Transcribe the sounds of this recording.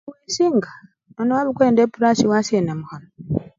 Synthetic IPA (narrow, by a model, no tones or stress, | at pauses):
wiːsiŋɡa | nonaβukweːndepuɾasiwasenamuhano